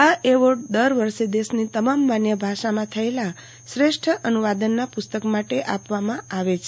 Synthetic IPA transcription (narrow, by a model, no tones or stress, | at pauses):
aʔeʋoʈd̪əɾʋəɾʃed̪esnit̪əmamːanjəbʱaʃamãt̪ʰəela | sɾeʃʈʰəʔənuʋad̪ənːapʊst̪əkmaʈeʔapʋamãaʋet͡ʃʰe